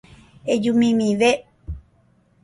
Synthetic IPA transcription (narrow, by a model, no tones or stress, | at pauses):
ed͡ʒumĩmĩʋe